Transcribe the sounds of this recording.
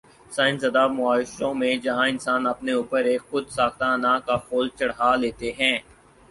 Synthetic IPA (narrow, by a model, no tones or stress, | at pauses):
sãːɪnsɐd̪aːmʊaːʃõmẽd͡ʒɐɦãɪnsaːnɐpneuːpəɾeːkxʊd̪saːxt̪ãnãkaxʰoːlt͡ʃɐɽɦaːleːt̪eɦɛ̃ː